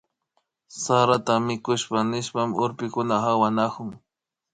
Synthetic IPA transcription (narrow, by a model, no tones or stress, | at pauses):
saɾat̪amɪkʊʃpanɪʃpamʊɾpɪkʊnahawanakʊŋ